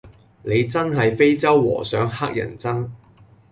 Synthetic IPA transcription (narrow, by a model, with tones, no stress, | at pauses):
ne˨˧jt͡sɐ˥nɦɐ˨jfe˥jt͡sɐ˥wːɔ̰ː˨˩sœː˨˥ŋɦaː˥k̚jɐ̰˨˩nt͡sɐ˥ŋ